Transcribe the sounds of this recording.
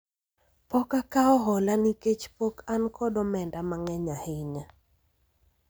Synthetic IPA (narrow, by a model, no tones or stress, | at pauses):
pɔkakaɔɦɔlaniket͡ʃpokankʰɔdɔmɛndamaŋɛɲahɪɲa